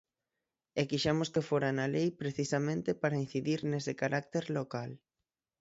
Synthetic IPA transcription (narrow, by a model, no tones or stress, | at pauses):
ekiʃamoskefoɾanalejpɾeθisamẽnt̪epaɾain̟θiðiɾnesɪkaɾak̚t̪eɾlokal